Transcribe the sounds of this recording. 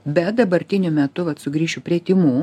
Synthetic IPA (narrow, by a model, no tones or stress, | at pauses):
bʲɛt̪̚d̪ɐbɐɾʲt̪ʲɪnʲʊmʲɛt̪ʊʋɐt̪sʊɡɾʲiːʃʲupʲɾʲiɛt̪ʲɪmuː